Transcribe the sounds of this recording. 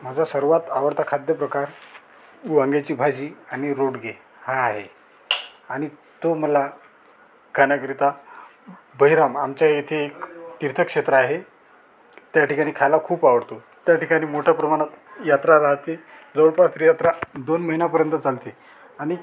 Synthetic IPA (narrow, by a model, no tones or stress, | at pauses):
m̤ad͡zʱasəɾʋat̪aʋəɾt̪ʰakʰad̪jəpɾəkaɾ | ʋaŋɡat͡ɕiːbʱad͡ʑiːaɽ̃iɾoɽɡe | hãːɦe | aɽ̃i | t̪oməla | kʰanjakɾit̪a | bəɦiɾamamt͡ɕjajet̪ʰeːkt̪iɾt̪ʰəkʂet̪ɾəaɦe | t̪jaʈikaɽ̃iːkʰajlakʰuːpaʋəɽt̪o | t̪jaʈikaɽ̃iːmoʈʰjapɾəmaɽ̃at̪jat̪ɾaɾaɦt̪ed͡zəʋɽpast̪ɾijat̪ɾad̪onməɦinapəɾjənt̪ət͡salt̪e | aɽ̃i